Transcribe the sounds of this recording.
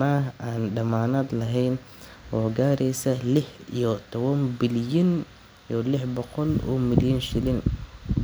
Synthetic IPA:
maɦaːnɖɐmaːnaːd̪lɐɦɛjn | ʔɔːɡaːɾɛjsɐlɪħḭjɔt̪ʰɔβɐnbɪljɐn | ijɔlɪħbɔqɔlɔ̰ːmɪljɐnʃɪlɪn

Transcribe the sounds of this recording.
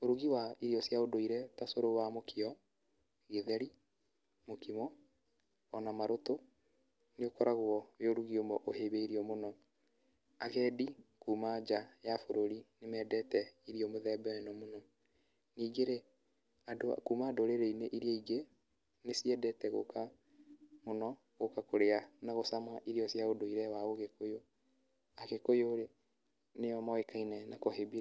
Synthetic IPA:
oɾuɣiwaiɾiɔsjaodoiɾɛtasoɾowamokiɔ | ɣeðɛɾi | mokimɔː | namaɾoto | neokɔɾaɣwɔweoɾuɣiomɔʔoheβeiɾiɔmonɔ | aɣɛːdikuːmad͡ʒajafoɾoɾinemɛːdɛtɛiɾiɔmoðɛbɛwɛnɔmonɔ | niːɡeɾe | ado̰kumadoɾeɾeineʔiɾiɔiɡe | nesiɛdɛtɛɣo̰ka | monɔ | ɣokakoɾeanaɣosamaʔiɾiɔsjaodoiɾɛwaoɣekojo | akekojoɾe | neɔmɔekainɛnakoɦebiɾa

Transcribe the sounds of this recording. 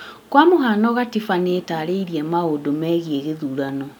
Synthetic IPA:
kwamoɦanɔɣatifanetaɾeiɾiɛmaodomɛːɣieɣeðuːɾanɔ

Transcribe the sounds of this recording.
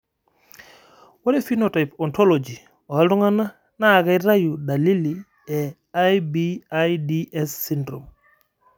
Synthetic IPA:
waɾefinotajpɔntolod͡ʒi | ɔalduŋana | naɡaɾajudalili | ɛ | ajbiajdiɛsːindɾom

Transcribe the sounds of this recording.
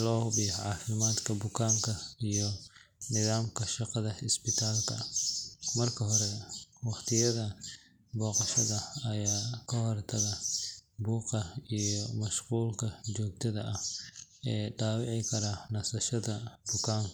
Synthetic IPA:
lɔːhbɪjħʕɑːfɪmaːd̪kʰɐbʊkʰaːŋkʰɐijɔ | nɪðaːmkʰɐʃɑqɑðɐɪsbɪt̪ʰaːlkʰɐ̰ | mɐrkʰɐɦɔɾɛwɑχt̪ʰɪjɐðɐ | bɔːqɑʃɐðɐɐjaːkʰɐhɔrt̪ʰɐɣɐbuːqɐijɔmɐʃquːlkʰɐt͡ʃɔːɡ̚t̪ʰɐðɐʔɐhʔɛːɖaːwɑʕɪkʰɐɾanɐsɐʃɐðɐbʊkʰaːŋk

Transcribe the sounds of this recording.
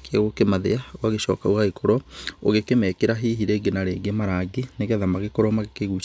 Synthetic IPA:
keaɣokemaðeawaɣeɕɔ̰kaoɣaikʰoɾɔo̰ɣekemɛːkeɾaɦiɦiɾeɡenaɾeːɡemaɾaɡeneɣɛðamaɣekoɾɔmaɣekeɣu

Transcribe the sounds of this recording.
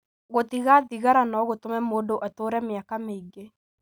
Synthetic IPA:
ɣotiɣaðiɣaɾanɔɣotomɛmoːdoʔatoɾɛmeakameiɡe

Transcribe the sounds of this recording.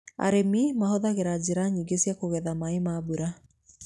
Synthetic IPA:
a̰ɾemimahoðaɣeɾad͡ʑeɾaɲiːɡesjakoɣɛðamaemabuɾa

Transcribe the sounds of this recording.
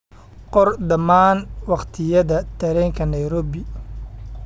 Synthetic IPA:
qɔrd̪ɐmaːnwɑqt̪ʰɪjɐðɐt̪ʰɐɾɛːŋkʰɐnɐjɾɔːbɪ

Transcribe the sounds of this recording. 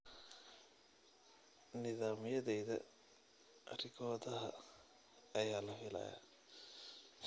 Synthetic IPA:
nɪðaːmɪjɐðɛjðɐ̰ | ʔɐrɪɡɔːðɐɦɐː | jaːlɐfɪlɐ̰ːja̰

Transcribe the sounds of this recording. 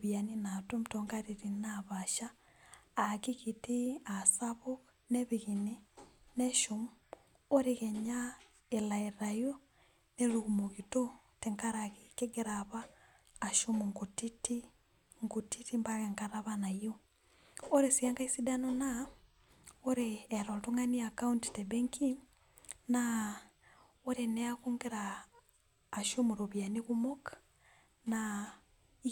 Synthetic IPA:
βjaninatum̩tɔŋɡaɾiɾinaβaʃaː | kiɣitiasaβu | neβiɣinineʃumu | oɾiɣeɲa | elaeɾajo | neluɣumoɣito | teŋkaɾakikeɡeɾaβaː | ʃumuŋɡutiti | ŋɡutitimbaɣeŋkaɾaβanajo | oɾesijaŋɡaisidanona | oɾeːɾotuŋaniakaunti̥tebeŋki | na | oɾeneakuŋɡiɾaː | ʃomuɾoβjaniɣumokḁ | na

